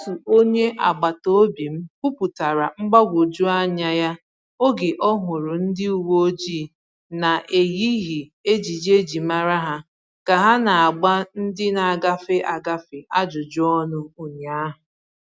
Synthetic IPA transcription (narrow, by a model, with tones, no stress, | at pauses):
sʊ˨o˦ɲe˦ʔa̰˨ɡ͡ba˨to˦o˦bi˨m̩˦ku˦pu˨ta˨ɾa˨ŋ͡m̩˦ɡ͡ba˦ɡʷo˨d͡ʒu˦a˦ɲa˦ja˦ | o˦ɡe˨ʔɔ˦ɦʊ˨ɾʊ˨n̩˦dɪ˦u˨wo˦o˦d͡ʒiː˦˨ | na˨ʔe˨ɣi˦ɦi˨e˦d͡ʒi˨d͡ʒe˦d͡ʒi˨ma˦ɾa˦ɦa˦ | ka˨ɦa˦na˨a˨ɡ͡ba˦n̩˦dɪ˦na˨a˨ɡa˦fɪ˦ʔa˨ɡa˦fɪ˨ʔa˦d͡ʒʊ˨d͡ʒʊ˦ɔ˦nʊ˦u˨ɲa˦ɦʊ˨